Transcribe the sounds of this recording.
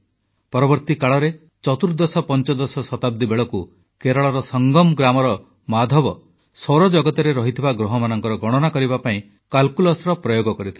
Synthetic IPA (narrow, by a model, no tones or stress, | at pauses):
pɔɾɔbɔɾt̪ikaɭɔɾe | t͡ʃɔt̪uɾd̪ɔsɔpɔnt͡ʃɔd̪ɔsɔsɔt̪ab̚d̪ibeɭɔku | keɾɔɭɔɾɔsɔŋɡɔmɡɾamɔɾɔ | mad̪ʱɔbɔ | sɔɾɔd͡ʒɔɡɔt̪ɔɾeɾɔɦit̪ʰibaɡɾɔɦɔmanɔŋkɔɾɔɡɔɽ̃ɔnakɔɾibapaĩ | kalkulɔsɾɔpɾɔjoɡɔkɔɾit̪ʰil